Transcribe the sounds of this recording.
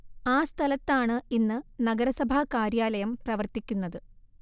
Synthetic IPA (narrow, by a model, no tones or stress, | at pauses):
aːst̪ʰɐlɐt̪ːaːɳɨinːɨnɐɡɐɾɐsɐbʱakaːɾjaːlɐjɐmprɐʋɐrt̪ikʲːunːɐðɨ